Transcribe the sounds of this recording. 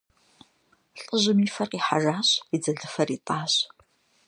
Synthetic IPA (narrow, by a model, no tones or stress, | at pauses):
ɬʼəʑɪmiːfɐrqiːħa̰ʒaːɕid͡zɐɮɨfɐriːtʼaːɕ